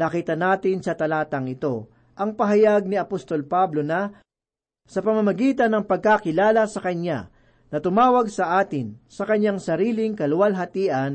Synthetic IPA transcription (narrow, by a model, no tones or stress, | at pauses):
nɐkiːt̪ɐnaːt̪ɪnsɐt̪ɐlaːt̪ɐŋɪt̪o̞ | ʔɐŋpɐɦɐjaɡ̚niɐpost̪o̞lpablo̞nɐ | sɐpɐmɐmɐɡiːt̪ɐnːɐŋpɐɡ̚kakɪlaːlɐsɐkɐɲa̰ | nɐt̪ʊmaːwɐɡsɐʔaːt̪ɪnsɐkɐɲaŋsɐɾiːlɪŋkɐlʊwɐlɦɐt̪iːʔɐn